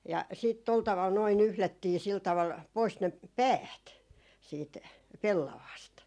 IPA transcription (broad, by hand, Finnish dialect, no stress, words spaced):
jɑ siːt tol tɑʋɑl noi nyhlætːiː sil tɑʋɑl pois ne pæːt siːt pelːɑʋɑːst